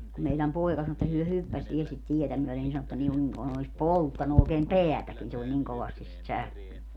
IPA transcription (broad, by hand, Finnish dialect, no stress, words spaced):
ku meilæm poi̯kɑ sɑno etːæ hyø hypːæs ʋiɛl sit tietæ myœˑlen nin sɑno tːæ niŋkun kun ois poltːɑnu oːkeːm peætækin se olʲ niŋ koʋɑstis sit særkeny